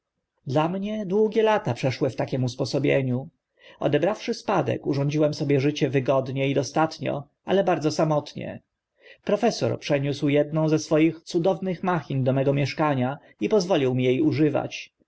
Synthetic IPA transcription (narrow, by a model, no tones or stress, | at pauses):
d̪lamɲɛd̪wuɡʲjɛlat̪apʂɛʂwɘft̪akʲɛmuspɔsɔbʲjḛɲu | ɔ̰d̪ɛbɾafʂɘspad̪ɛ̰kuʐɔ̃ɲd͡ʑiwɛmsɔbʲjɛʐɘt͡ɕɛvɘɡɔd̪ɲɛid̪ɔst̪at̪ɲɔ̰ | alɛbaɾd̪zɔsamɔt̪ɲɛ̰ | pɾɔfɛsɔ̰ɾpʂɛɲuswjɛd̪nɔ̃w̃zɛsfɔjixt̪sud̪ɔvnɘxmaxʲind̪ɔmɛɡɔmʲjɛʂkaɲa | ipɔzvɔlʲiwmʲijejuʐɘva̰t͡ɕ